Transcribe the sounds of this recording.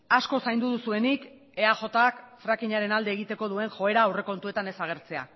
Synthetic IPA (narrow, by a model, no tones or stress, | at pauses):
asko̞sajnd̪uðusue̞nik | e̞aʝo̞t̪akfɾakiɲaɾe̞nald̪e̞ːɣ̞it̪e̞ko̞ð̞ue̞ŋʝo̞e̞ɾaːwre̞ko̞nt̪ue̞t̪ane̞saɣ̞e̞ɾt͡se̞a̰